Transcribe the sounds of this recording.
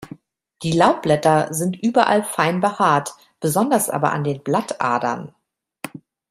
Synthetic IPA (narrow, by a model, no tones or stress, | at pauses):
d̥iːlaʊt̚b̥lɛtɐzɪntʔyːbɐʔalfaɪnbəhaːɐt | b̥əzɔndɐsʔa̰ːbɐ̰ʔa̰ndeːnblatʔa̰ɐdɐ̰n